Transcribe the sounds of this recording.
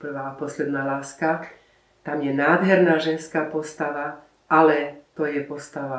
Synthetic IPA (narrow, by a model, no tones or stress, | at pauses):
pr̩ʋaːpɔslɛd̪naːlaːska | t̪amjɛnaːd̪ɦɛɾnaːʒɛnskaːpɔst̪aʋa | alɛt̪ɔjɛpɔst̪aʋa